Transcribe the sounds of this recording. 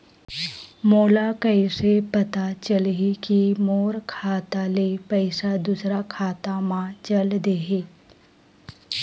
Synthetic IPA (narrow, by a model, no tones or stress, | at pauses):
moːlakəɪsepɐt̪at͡ʃəlɦikimoːɾkʰaːt̪alepəɪsad̪usɾakʰaːt̪amãt͡ʃɐld̪eɦe